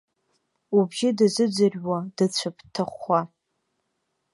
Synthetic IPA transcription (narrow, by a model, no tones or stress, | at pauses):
ubʒɪdɨzɨd͡zɨrʲwadɨt͡ɕʷʰapʰtʰɨχʷa